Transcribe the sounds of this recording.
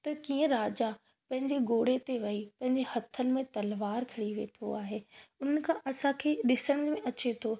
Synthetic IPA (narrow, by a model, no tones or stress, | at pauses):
t̪ɐkiːə̃ɾaːd͡ʑa | pɐ̃ɦɪ̃ɲd͡ʑeɡoːɽet̪eʋɐipɐ̃ɦɪ̃ɲd͡ʑehɐt̪ʰənɪ̆mẽt̪ɐlʋaːɾkʰɐɽiʋḛːʈʰo̰aːɦeːʊn̤ənɪ̆kʰãʔɐsãkʰeːɗɪsəɽ̃ʊmẽɐt͡ɕet̪ʰoː